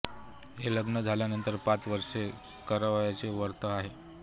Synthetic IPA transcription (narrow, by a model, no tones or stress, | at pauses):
ɦeləɡnəd͡zʱaljanənt̪əɾpat͡sʋəɾʂe | kəɾəʋajat͡seʋəɾt̪əaɦe